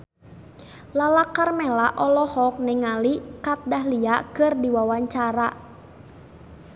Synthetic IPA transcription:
lalakarmɛlaʔɔlɔhɔk̚nɛŋalikat̪̚dahliakɨrdiwawaɲt͡ʃaɾa

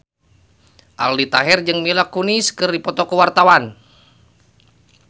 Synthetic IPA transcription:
ʔa̰ldit̪aɦɛrd͡ʒɨŋmilakuniskɨrdipɔt̪ɔkəwart̪awan

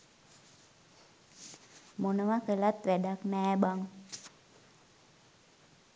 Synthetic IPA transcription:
monəʋakəlat̪ʋædaknɛːbaŋ

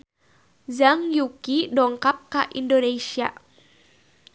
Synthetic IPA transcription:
zaŋjukidɔŋkap̚kaʔindonesia

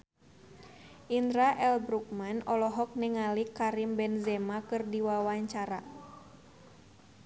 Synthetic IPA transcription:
ʔind̪ɾaʔɛlbɾuk̚manɔlɔɦɔk̚nɛŋalikaɾimbɛnzɛmakɨrdiwawaɲt͡ʃaɾa̰

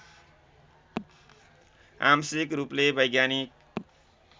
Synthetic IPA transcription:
a̰msikɾuplebʌjɡjanik̚

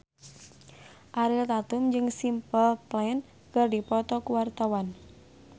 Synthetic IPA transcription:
ʔaɾilt̪at̪ʊmd͡ʒɨŋsimpəlplan | kərdipɔt̪ɔkuwart̪awan

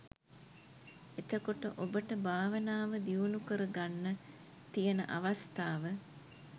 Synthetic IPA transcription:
et̪əkoʈəʔobəʈəbʱaːʋənaːʋəd̪iunukəɾəɡanːə | t̪ijənə̰ʔaʋast̪aːʋə

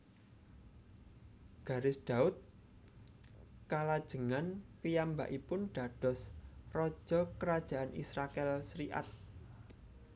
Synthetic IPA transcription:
ɡ̥ä̤ɾɪsd̪̥a̤ʊt̪̚ | kalad̥ʒ̥ə̤ŋanpijamba̰ʔipʊnɖ̪̥ä̤ɖ̥ɔ̤srɔd̥ʒ̥ɔ̤kəɾad̥ʒ̥ä̤ʔanḭsɾakɛlsɾiʔa̰t̪̚

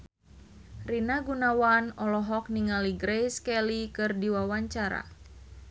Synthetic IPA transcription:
rinaɡunawanɔlɔɦɔk̚niŋaliɡɾɛjskɛlikɨrdiwawaɲt͡ʃaɾa̰

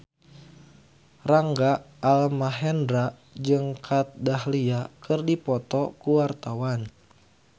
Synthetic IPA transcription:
raŋɡaː | lmaɦɛndɾa | d͡ʒɨŋkʰat̪̚dahliakɨrdipɔt̪ɔkuwart̪awan

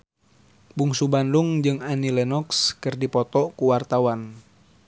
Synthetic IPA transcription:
buŋsubanduŋd͡ʒɨŋanilɛnɔkskɨrdipɔt̪ɔkuwart̪awan

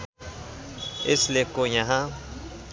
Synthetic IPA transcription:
ɪslekojaɦã

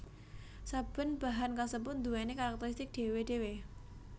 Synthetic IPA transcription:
sab̥ə̤nb̥a̤ɦankasəpʊt̪nd̪uɛnekaɾak̚t̪əɾist̪ɪk̚ɖ̥e̤weɖ̥e̤we

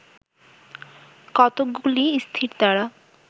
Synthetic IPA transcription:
kɔt̪oɡuliist̪ʰiɾd̪aɾa

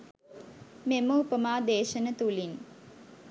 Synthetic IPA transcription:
meməupəmaːd̪eːʃənət̪ulin

